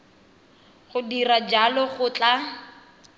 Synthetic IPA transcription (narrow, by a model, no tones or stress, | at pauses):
χʊdirad͡ʒalɔχʊt͡ɬʼa